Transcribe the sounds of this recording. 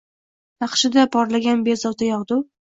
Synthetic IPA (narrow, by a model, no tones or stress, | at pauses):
t̪ɑqʃɪd̪apʰɒɾlaɡʲanbezɒt̪ʰajɒʁd̪ʊ